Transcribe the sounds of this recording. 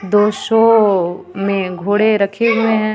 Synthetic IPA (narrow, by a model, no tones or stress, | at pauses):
d̪oːʃɔː | mẽɡʱoːɽeɾɐkʰemẽɦɛ̃